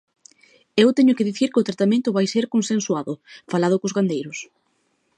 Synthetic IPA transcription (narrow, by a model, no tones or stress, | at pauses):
ewt̪ɛɲʊkɪðiθiɾkɪʊt̪ɾat̪amẽnt̪ʊβajseɾkonsenswaðʊfalaðʊkozɣand̪ejɾʊs